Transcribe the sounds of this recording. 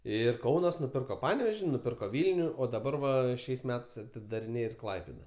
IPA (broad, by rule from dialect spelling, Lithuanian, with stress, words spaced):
ˈɪr ˈkɐʊnɐs nʊˈpʲɪrkoː ˈpɑːnʲɛʋʲɛʒʲɪ nʊˈpʲɪrkoː ˈʋʲiːlʲnʲʊ oː dɐˈbɐr ʋɐ ˈʃʲɛɪs ˈmʲæːtɐɪs ɐtʲɪdɐrʲɪˈnʲeːj ɪr ˈklˠɐɪpʲeːdɐ